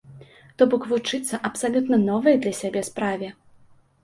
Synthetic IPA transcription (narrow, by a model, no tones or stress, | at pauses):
t̪ɔbɔkvut͡ʂɨt̪sːɐʔɐpsalʲut̪nɐnɔvɐjɐd̪lʲɐsʲabʲɛspɾavʲɛ